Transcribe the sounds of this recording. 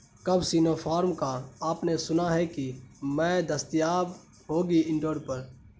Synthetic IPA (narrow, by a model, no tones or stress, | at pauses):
kɐbsiːnoːpʰaːɾmkaaːpnesʊnaɦɛkimɛ̃ːd̪əst̪ɪjaːb | ɦoːɡiɪ̃ɳʈoːɖpəɾ